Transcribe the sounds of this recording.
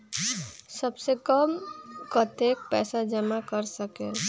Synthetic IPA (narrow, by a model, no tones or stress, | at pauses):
səbsekəmkət̪ek̚pɛsad͡ʒəmakəɾsəke